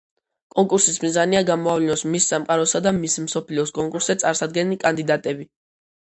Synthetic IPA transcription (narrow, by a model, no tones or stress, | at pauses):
kʼɔŋkʼuɾsismizaniaɡamɔavlinɔsmisːamqʼaɾɔsad̪amismsɔpʰliɔskʼɔŋkʼuɾsɛt̪sʼaɾsad̪ɡɛnilikʼand̪id̪at̪ʼɛbi